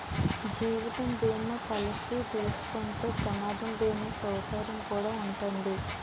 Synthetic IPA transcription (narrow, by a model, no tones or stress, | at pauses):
d͡ʒiːʋit̪ɐmdeːnːokɐlɐsit̪elusu̥koɳʈ̪oːpɾɐmaːd̪ʱɐmdeːnusɐwkaːɾɐmkuːɽaːuɳʈond̪i